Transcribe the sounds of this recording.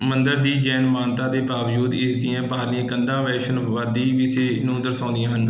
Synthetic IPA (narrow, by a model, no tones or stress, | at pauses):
mənd̪əɾd̪iːd͡ʒɛːnmaːnt̪ãːd̪eːbaːʋd͡ʒuːd̪ɪsd̪ijãːbaːɾlĩːkənd̪ãːʋɛːʃənʋəd̪iːʋɪseːnũːd̪əɾsãːʊ̃nd̪ijãːɦən